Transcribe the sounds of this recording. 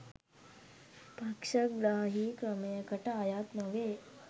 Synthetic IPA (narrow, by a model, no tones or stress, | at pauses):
pakʂəkɡɾaɦiːkɾəmekəʈajat̪nəʋe